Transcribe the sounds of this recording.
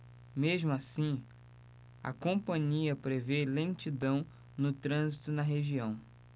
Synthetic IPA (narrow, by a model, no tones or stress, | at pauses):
meʒmʊasĩ | ɐ̰kõpɐ̃ɲiɐpɾevelẽnt͡ʃid̪ɐ̃w̃ | nʊt̪ɾɐ̃zit̪ʊnɐɦeʒiɐ̃w̃